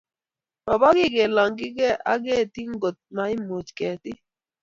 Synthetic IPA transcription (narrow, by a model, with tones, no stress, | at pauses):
ba˨ba˦ɡɪ˦˨ɡe˨la˨ŋɡɪ˦ɡɛ˦ʔa̰˦ɡe˦˨ti˦ŋ˦ɡo˨t̚ma˨ɪ˦mo˨t͡ʃkɛ˨tɪ˦